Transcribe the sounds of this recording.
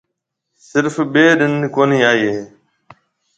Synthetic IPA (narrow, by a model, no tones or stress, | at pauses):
sɪɾfɓeːɗɪnːkoːniːaːiːɦɦeː